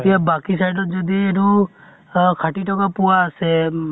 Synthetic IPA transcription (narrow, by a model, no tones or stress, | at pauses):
t̪iabakisajɖɔd͡ʒɔd̪ieɾu | kʰaʈiʈɔkapuwaːse